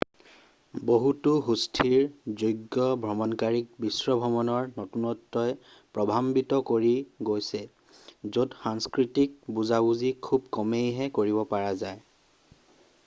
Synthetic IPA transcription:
boɦutuɦustʰiɹzojɡːɔbʱɹɔmɔnkaɹik̚bisɹɔbʱɔmɔnɔɹnɔtunɔtːɔj | pɹɔbʱambitɔkoɹiɡojsɛ | zodxaŋskɹitik̚buzabuzikʰub̚kɔmejɦɛkoɹibɔpaɹazaj

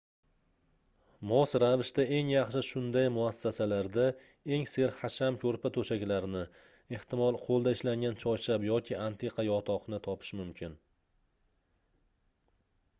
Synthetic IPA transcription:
mɒsɾavɪʃt̪ae̞ŋjɑχʃɪʃʊnd̪ajmʊasːasalaɾd̪a | e̞ŋse̞ɾχaʃamkʲʰɵɾpat̪ʰɵʃakʲlaɾnɪ | e̞ht̪ɪmɒlˠqʰolˠd̪aɪʃlaŋɡʲant͡ʃʰɒjt͡ʃʰabjɒkʲʰɪant̪ʰeqʰɑjɒt̪ʰɒqnɪt̪ʰɒpʰɪ̥ʃmʊmkʲʰɪn

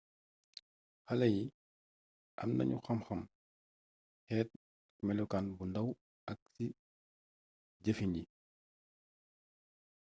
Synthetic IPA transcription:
xɐlɐji | ʔɐ̰mnɐ̰ɲṵxɐmxɐm | hɛːt̚ | mɛlɔkanbundɐw | ʔɐk̚si | ɟəfiɲɟi

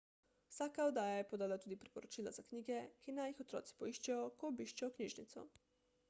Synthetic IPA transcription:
w̥saːkaod̪aːjajɛpɔd̪aːlat̪uːd̪ipɾipɔɾɔt͡ʃiːlaz̥akniːɡɛkinajixɔt̪ɾɔ̰ːt̪si̥pɔiʃt͡ʃajɔkɔːbiʃt͡ʃajɔkniːʒnit̪sɔ̰

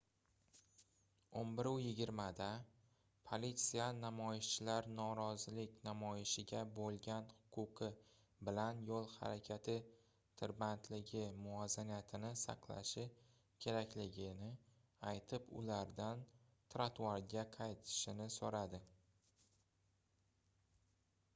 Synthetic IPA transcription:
onbɪɾʊjɪɡʲɪɾmad̪a | pʰolit̪sijanamɒjɪʃt͡ʃʰɪlaɾnɒɾɒzɪlɪkʲnamɒjɪʃɪɡʲabolˠɡʲanhʊ̥qʰʊqʰɨ | bɪlanjolˠha̰ɾakʲʰat̪ʰɪ | t̪ʰɪɾbant̪ʰlɪɡʲɪmʊazanijat̪ʰɪnɪsɑ̰qlˠa̰ʃɪ | kʲʰe̞ɾakʲlɪɡʲɪnɪ | ajt̪ʰɪpʊ̰laɾd̪an | t̪ʰɾat̪ʰuaɾɡʲaqʰɑjt̪ʰɪ̥ʃɪnɪsoɾad̪ɪ

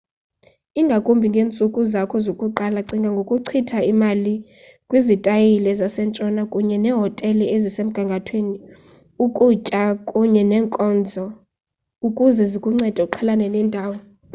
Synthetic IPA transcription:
iŋɡʱakʼumbʱiŋɡʱeːnt͡sʼukʼuzakʰɔzokʼuǃalaǀiŋɡʱaŋɡʱokʼuǀʰitʰaimali | kʼwizitʼajilɛzasɛnt͡ʃʼɔnakʼuɲɛnɛːɦɔtʼɛliezisem̩ɡ̥ʱaŋɡʱatʰweːni | ukʼut͡ʃʼakʼuɲɛnɛːŋkʼɔnd͡zʱɔ | ukʼuzɛzikʼuŋ͡ǀɛd̥ʱauǃʰalanɛnɛːndʱaːwɔ

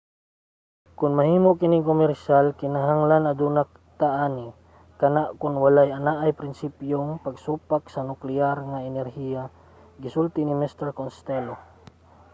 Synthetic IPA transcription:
kʊnmɐhiːmoʔkɪnɪŋkomɛɾʃalkɪnaɦaŋlanɐd̪unak̚t̪aʔaːni | kɐnaʔkʊnwalajanaʔajpɾɪnsipjoŋpaɡsupak̚sɐnʊklɪaɾŋaɛnɛɾhija | ɡɪsult̪ɪnɪmɛst̪ɛɾkonst̪ɛlo

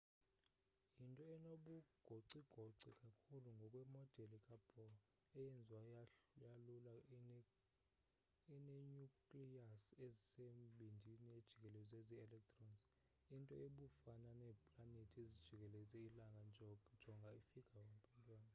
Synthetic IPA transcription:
intʼɔɛnoɓuɡ̥ʱoǀiɡ̥ʱoǀikʼakʰuluŋɡʱɔkʼwɛmɔd̥ʱɛlikʼab̥ɔ | ɛjɛnd͡zʱwajalula | inɛɲukʼliasezisemɓʱindʱinied̥ʒ̥ʱikʼɛlɛzeziɛlɛk̚tʰʼrɔns | intʼɔeɓufananɛːpʼlanetʰiezid̥ʒ̥ʱik̬ʼɛlɛzɛilaŋɡʱand͡ʒʱɔŋɡʱaifikʼʰawempʼɛdʼwaːna

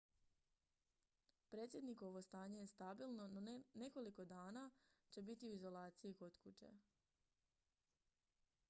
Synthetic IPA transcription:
pɾe̞t̪sje̞d̪niko̞ʋo̞st̪aːɲe̞je̞st̪abilˠnonone̞ko̞liko̞d̪aːnat͡ɕe̞bit̪iuizo̞lˠaːt̪siiko̞t̪kut͡ɕe̞̰

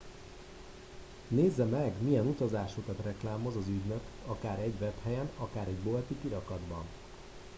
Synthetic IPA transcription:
neːzːɛmɛɡmijɛnut̪ɒzaːʃokɒt̪rɛklaːmo̞zɒzyɟnøkɒkaːɾɛɟvɛphɛjɛnɒkaːɾɛɟbo̞lt̪ipiɾɒkɒd̪bɒn

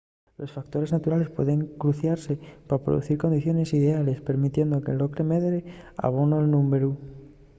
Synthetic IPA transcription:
lo̞sfak̚t̪o̞ɾe̞znat̪uɾale̞spwe̞̰ðe̞ŋkɾuθjaɾse̞papɾoðṵθiɾko̞nd̪iθjo̞ne̞siðe̞ale̞spe̞ɾmit̪je̞nd̪o̞kelo̞kɾe̞meðɾea̰β̞onoelnũmeɾu

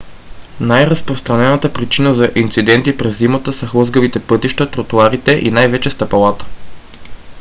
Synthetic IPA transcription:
najɾəspɾost̪ɾɐnɛnət̪əpɾit͡ʃinəzɐʔint̪sid̪ɛnt̪ipɾɛzːimət̪əsɐxlˠɤzɡəvit̪ɛpɤt̪iʃt̪ət̪ɾot̪uaɾit̪ɛʔinajvɛt͡ʃɛst̪ɐpɐlˠat̪ə̥

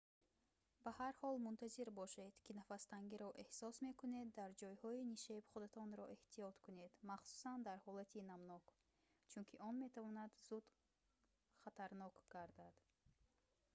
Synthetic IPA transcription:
bahaɾhɔlmunt̪ʰaziɾbɔʃed̪̥kʰinafast̪aŋɡiɾɔʔe̞hsɔsme̞kune̞d̪ːaɾd͡ʒɔjhɔiniʃebχud̪at̪ʰɔnɾɔʔeht̪ʰijɔt̪kʰune̞d̪maχsu̥sand̪aɾhɔlat̪ʰinamnɔk | t͡ʃʰunkʰiʔɔnme̞t̪ʰavɔnad̪zud̪̥ | χat̪ʰaɾnɔkɡ̥aɾd̪ad̪̥

